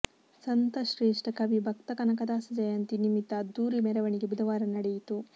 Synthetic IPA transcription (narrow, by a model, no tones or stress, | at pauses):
sɐnt̪ɐʃɾeːʂʈɐkɐʋibʱɐk̚t̪ɐkɐnɐkɐd̪aːsɐd͡ʒɐjaːnt̪inimit̪ɐd̪uːɾimɛɾɐʋɐɳiɡebud̪ʱɐʋaːɾɐnɐɽejit̪u